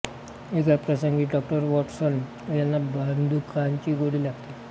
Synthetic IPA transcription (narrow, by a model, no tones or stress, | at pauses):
ekapʈasəŋɡiːɖɔk̚ʈəɾʋɔʈsən | janːabənd̪ukʰant͡ɕiːɡoɽiːlaɡt̪a